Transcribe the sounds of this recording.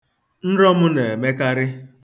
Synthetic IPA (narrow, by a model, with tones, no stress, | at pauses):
n̩˦ɾɔ˦mʊ˦ne˨e˨me˦ka˦ɾɪ˦